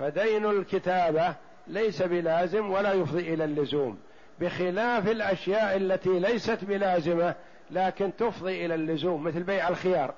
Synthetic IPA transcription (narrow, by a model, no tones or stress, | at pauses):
fad̪ajnalkɪt̪aːba | lajsabɪlaːzɪmwalaːjʊfðˤiʔɪlalːʊzuːm | bɪxɪlaːfɪlʔaʃjaːʔalːat̪ilajsat̪bɪlaːzɪma | laːkɪnt̪ʊfðˤiːʔɪlalːʊzuːmːɪθlbajʕalxɪjɑːɾˤ